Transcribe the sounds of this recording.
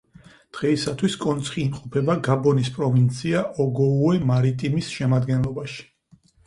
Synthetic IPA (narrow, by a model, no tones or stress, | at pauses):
d̪̥ʁɛisat̪ʰwiskʼɔnt̪sʰχiːmqʼɔpʰɛbaɡabɔnispʼɾɔvint̪sʰiaʔɔɡɔuɛmaɾit̪ʼimisʃɛmad̪ɡɛnlˠɔbaʃi̥